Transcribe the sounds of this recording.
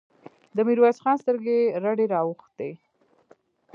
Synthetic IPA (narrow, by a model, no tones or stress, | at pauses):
d̪əmiɾwasxɑnst̪əɾɡeɾaɖeɾɑwuxt̪̚e